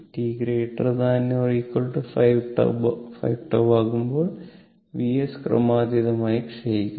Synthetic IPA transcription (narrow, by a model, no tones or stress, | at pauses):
ʈiːɡɾeːʈːrɐd̪aːnːorikːoɭʈɨfɐjʋʈɐ̰fɐ̰jʋʈɐʋaːɣumbo̞ːɭ | ʋieskrɐ̰maːd̪jiðɐmaːjikʂejikʲːu